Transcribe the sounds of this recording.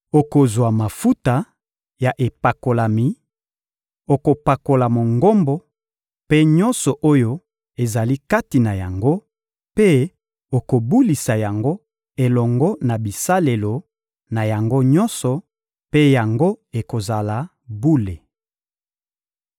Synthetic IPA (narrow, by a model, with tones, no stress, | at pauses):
o˨ko˨zwa˨ma˨fu˦ta˨ | ja˨ʔe˨pa˨ko˨la˨mi˨ | o˨ko˨pa˨ko˨la˨mo˨ŋɡo˦mbɔ˦ | pe˦ɲɔ˦nsɔ˨ʔo˦jo˦ | e˨za˨li˦ka˦ti˨na˨ja˨ŋɡo˦ | pe˦ | o˨ko˨bu˦li˨sa˨ja˨ŋɡo˦ | e˨lɔ˨ŋɡɔ˦na˨bi˨sa˦le˨lo˨ | na˨ja˨ŋɡo˦ɲɔ˦nsɔ˨ | pe˦ja˨ŋɡo˦e˨ko˨za˨la˨ | bu˦le˨